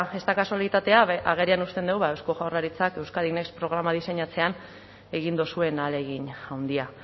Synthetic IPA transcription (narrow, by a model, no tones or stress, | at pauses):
e̞st̪akaso̞lit̪at̪e̞aaɣ̞e̞ɾianust̪e̞nd̪ewβaewsko̞ʝawraɾit͡sake̞wskaðine̞kspɾo̞ɣɾamaðise̞ɲat͡se̞an | e̞ɣ̞ind̪osue̞nale̞ɣiɲawnd̪ia